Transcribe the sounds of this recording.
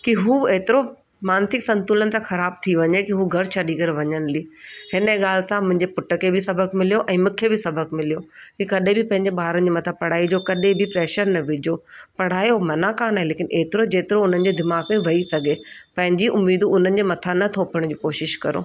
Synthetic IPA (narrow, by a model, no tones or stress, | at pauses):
kiɦueːt̪ɪɾo | maːnsɪksɐ̃nt̪ulənɪ̆t̪ãxɐɾaːb̚t̪ʰiʋɐɲekiɦuɡʱɐɽt͡ɕʰaɗiːɡəɾʋɐɲənɪliːhɪnəeɠaːlɪsãmʊ̃ɦɪ̃ɲd͡ʑepʊʈəkʰebɪsɐbʱəkmɪlijoʔɛ̃ːmũkʰebɪsɐbʱəkmɪlijokikɐɗẽbʱɪpɐ̃ɦɪ̃ɲd͡ʑeɓaːɾənd͡ʑiːmɐt̪ʰapɐɽ̤aːid͡ʑoːkɐɗẽbʱɪpɾɛːʃəɾnɐʋɪd͡ʑʱoːpɐɽ̤aːjomɐnakaːnaːɦeleːkɪnʔeːt̪ɪɾod͡ʑeːt̪ɪɾoʊn̤ənɪ̆d͡ʑed̪ɪmaːɡmẽʋɐisɐɡʱepɐ̃ɦɪ̃ɲd͡ʑiʔʊmːiːd̪uʊn̤ənɪ̆d͡ʑemɐt̪ʰanɐt̪ʰoːpəɽ̃d͡ʑiːkoːʃɪʃkɐɾo̰ː